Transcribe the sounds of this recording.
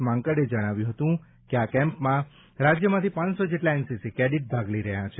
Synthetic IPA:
mãŋkəɽed͡ʒəɽ̃aʋjũɦət̪ũ | keakɛ̃mpmã | ɾad͡ʒjəmãt̪ʰipãnsod͡ʒeʈlaɛnsisikɾeɽiʈ̚bʱaɡliɾəɦjãt͡ʃʰe

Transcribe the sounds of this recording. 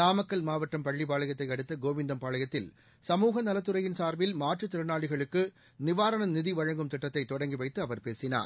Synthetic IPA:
naːmɐkːɐlmaːʋɐʈːɐmpɐɭːipaːɭɐjɐt̪ːɐɪɐɽɯt̪ːɐɡoːʋɪnd̪ɐmpaːɭɐjɐt̪ːɪl | sɐmuːɣɐnɐlɐt̪ːɯɾɐjɪnsaːɾʋɪlmaːʈrɯt̪ːɪɾɐnaːɭɪɣɐɭɯkːɯ | nɪʋaːɾɐnɐnɪðiʋɐɻɐŋɡɯmt̪ɪʈːɐt̪ːɐɪt̪ːɔɽɐŋɡiʋɐɪt̪ːɯɐʋɐɾpeːsɪna̰ːɾ

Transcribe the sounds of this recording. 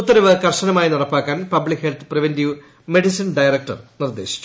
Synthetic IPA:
ut̪ːɐɾɐʋɨkɐrʂɐnɐmaːjinirɐpːaːkːaːnpɐblikhelt̪ɨpriʋendiʋ | meɖisinɖɐjrɐk̚ʈɐ̰rnird̪eːɕi̥

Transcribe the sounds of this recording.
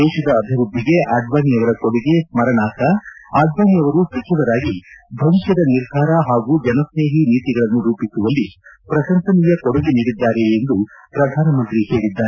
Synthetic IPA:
d̪ɛːʃɐd̪ɐːbʱiɾud̪ʱːiɡe̞ʔaːɖʋaːniɐʋɐɾɐkoɽiɡe̞smɐɾɐɳaːsɐaːɖʋaːnijɐʋɐɾusikʰɐʋɐɾaːɡibʱɐmkɐd̪ɐniɾd̪ʱaːɾɐɦaːɡuːd͡ʒɐnɐsne̞ːɦiniːt̪iɡɐɭɐnːuɾuːpisuʋɐlːipɾɐʃɐnt̪ʰɐnijɐkoɔɽɐɡiniːɽid̪ːaːɾeːnd̪upɾɐd̪ʱaːnɐmɐnt̪ɾihe̞ːɭid̪ːaːɾe

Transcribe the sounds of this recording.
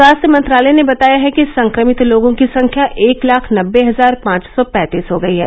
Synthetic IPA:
aːst̪jəmɐ̃nt̪ɾaːlɛnebɐt̪aːjaɦɛkisɐ̃ŋkɾəmɪt̪loːɡõkisɐ̃ŋkʰjaʔʔeːklaːkʰnɐbːeɦɐzaːɾpãːt͡ʃsɔpɛ̃ːt̪iːsɦoɡɐiɦɛ̰ː

